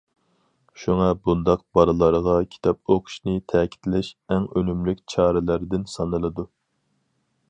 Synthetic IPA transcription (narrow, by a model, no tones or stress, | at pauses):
ʃuŋɑbund̪ɑq̚b̥ɑɾɨlˠɑɾəʁɑkʲʰi̥t̪ʰɑp̚oqʰʊ̥ʃnɨt̪ʰɛkʲʰi̥t̪ʰlɪʃɛŋønymlykʲt͡ʃʰɑːɾɪlæɾɪd̪ɪnsɑnɨlˠɨd̪u